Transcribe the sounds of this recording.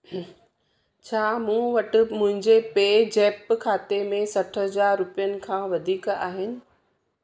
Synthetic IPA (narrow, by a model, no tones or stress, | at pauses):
t͡ɕʰaːmũːʋɐʈɪ̆mʊ̃ɦɪ̃ɲd͡ʑepeːd͡ʑeːpkʰaːt̪emẽsɐʈʰɦɐzaːɾːʊpijənɪ̆kʰãːʋɐd̪ʱiːkaːɦɪnɪ̆